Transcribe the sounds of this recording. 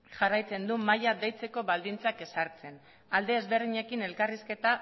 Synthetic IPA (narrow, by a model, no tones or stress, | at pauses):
ʝarajt͡se̞nd̪umajad̪ejt͡se̞ko̞βald̪int͡sake̞saɾt͡se̞n | ald̪eːzβe̞ɾðiɲe̞kine̞lkariske̞t̪a